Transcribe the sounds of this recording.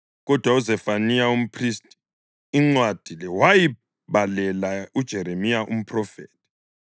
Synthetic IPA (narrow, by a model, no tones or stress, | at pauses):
ɣɔd̥ʱwauzɛfanijaum̩pʰristʼi̥ | iŋ͡ǀwad̥ʱilɛwaji | βalɛlaud̥ʒ̥ʱɛɾemijaʔṵm̩pʰrɔfḛːtʰʼi̥